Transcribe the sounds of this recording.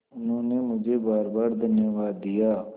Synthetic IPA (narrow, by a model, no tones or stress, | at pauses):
ʊnɦõːnemʊd͡ʒʱeːbaːɾbaːɾd̪ənjəʋaːd̪ːijaː